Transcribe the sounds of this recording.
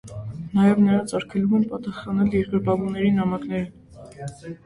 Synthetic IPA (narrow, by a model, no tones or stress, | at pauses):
nɑjɛvnəɾɑnt͡sʰɑɾkʰɛlumɛnpɑt̪ɑsχɑnɛljɛɾɡəɾbɑvunɛɾinɑmɑkn̪ɛɾə